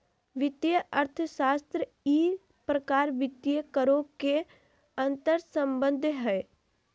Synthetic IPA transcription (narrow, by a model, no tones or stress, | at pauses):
ʋɪt̪ijəʔəɾt̪ʰəʃaːst̪ɾə | iː | pɾəkaːɾʋɪt̪jəkəɾõke | ə̃nt̪əɾsə̃mbə̃nd̪ʱɦɛː